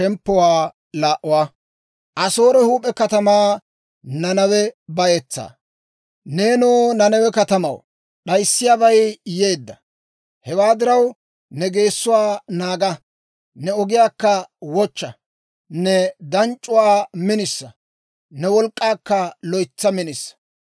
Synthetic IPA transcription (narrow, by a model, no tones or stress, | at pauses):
ʃɛmpːɔwaː | laːʔʊwaː | ʔɐso̞ːɾɛhuːpʼːɛkɐt̪ɐmaː | nɐnɐwɛbɐjɛt͡sːa̰ː | neːnoːnɐnɐwɛkɐt̪ɐmɐ̰w | ɗɐjsːɪjaːbɐjje̞ːd̪ːɐ | hɛwaːd̪ɪɾɐw | nɛɡe̞ːsːʊwaːnaːɡɐ | nɛɔɡɪjaːkːɐwɔt͡ʃːɐ | nɛd̪ɐnt͡ʃʼːʊwaːmɪnɪsːɐ | nɛwɔlkʼːaːkːɐlɔjt͡sːɐmɪnɪsːɐ̥